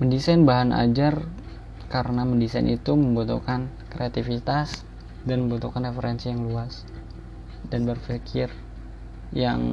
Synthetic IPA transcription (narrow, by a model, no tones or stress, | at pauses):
məndisajnbaɦana̰d͡ʒar | kaɾənaməndisa̰j̰nʔḭt̪uməmbut̪ṵkan | kɾeat̪ifit̪as | danməmbut̪ukanrefəɾɛnsijaŋluas | d̥anbərfikʰɪr | jaŋ